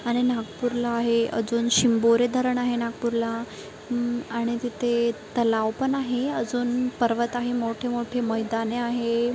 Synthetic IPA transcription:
aɽ̃inaɡpuɾlaːɦeə̰d͡zuːnɕimboɾed̪ʱəɾəɳaɦenaɡ̚puɾla | aɽ̃it̪it̪ʰet̪əlawpəɳaɦeəd͡zuːnpəɾʋət̪aɦemoʈʰemoʈʰeməjd̪aneaɦe

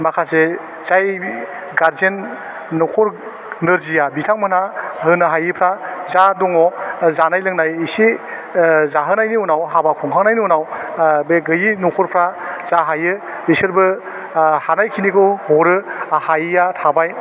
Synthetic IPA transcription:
makʰase | z̥aj | ɡaɾzenː | ɔkʰɔɾ | nɯɾzijabitʰaŋmɯnahɯnaɦajɯpʰɾazadɔŋɔzanajlɯŋnajisi | zaɦɯnajniunawɦabakʰɔŋkʰaŋnajniunawbeɡɯjinukʰɔɾpʰɾazaɦajɯ | bisɯɾbɯ | hanajkʰinikɯhɔɾɯahajjatʰabaj

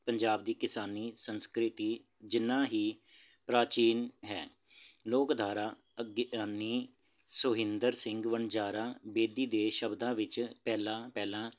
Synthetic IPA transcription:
pəɲd͡ʒaːbd̪iːkɪsaːniːsənskɾɪt̪iː | d͡ʒɪnːãːɦiː | pɾaːt͡ʃiːnɦɛ̰ː | loːkd̪ʱaːɾaː | əɡaːniː | sʊɦɪnd̪əɾsɪŋɡʋəɳd͡ʒaːɾaːbeːd̪iːd̪eːʃəbd̪ãːʋɪt͡ʃpɛːlãːpɛːlãː

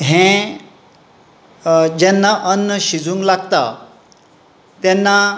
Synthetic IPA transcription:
ɦɛ̃ | d͡ʑɛnːaʔənːəɕid͡zũŋɡlaɡt̪a̰ | t̪ɛnːa

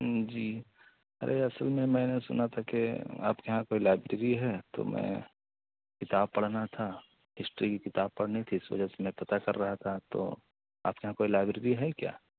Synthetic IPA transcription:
d͡ʒiː | ɐ̰ɾʔeɐsəlmẽmɛ̃ːnesʊ̰nat̪ʰakea̰ːpkjɦãkoːilaːɪbɾeɾiɦɛt̪o̰mɛ̰̃ː | kɪt̪aːb̚pɐɽ̤nat̪ʰa | ɦɪsʈɾikikɪt̪aːb̚pɐɽ̤neit̪ʰiɪsʋɐ̰d͡ʒɛsemɛ̃pɐt̪akɐɾːɐɦat̪ʰat̪o̰ | a̰ːp̚kjɐɦãkoːilaːɪbɾeːɾiɦɛkja̰ː

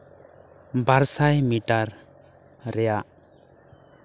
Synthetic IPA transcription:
baɾsajmiʈaɾ | ɾɛjaʔ

